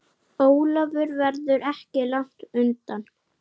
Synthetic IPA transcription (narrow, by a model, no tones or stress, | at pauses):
oːwlavʏɾvɛɾðʏɾɛhcɪlaŋ̥t̪ʏnt̪an